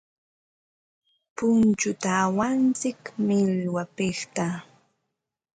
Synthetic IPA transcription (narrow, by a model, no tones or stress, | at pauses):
pʊnt͡ʃʊt̪aːwant͡sɪkmɪlwapɪχt̪a